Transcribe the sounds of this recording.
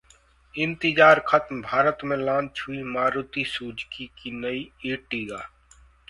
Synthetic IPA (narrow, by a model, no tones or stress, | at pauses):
ɪ̃nt̪ɪd͡ʒaːɾkʰət̪mbʱaːɾət̪mẽlãːnt͡ʃʰɦʊimaːɾʊt̪isuːd͡ʒkikinəieːʈiːɡaː